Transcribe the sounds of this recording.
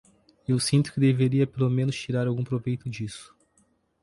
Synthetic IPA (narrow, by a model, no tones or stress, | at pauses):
ewsĩnt̪ʊ̥kɪd̪eveɾiɐpelomẽnʊst͡ʃiɾaɾawɡũpɾovejt̪ʊd͡ʒisʊ̥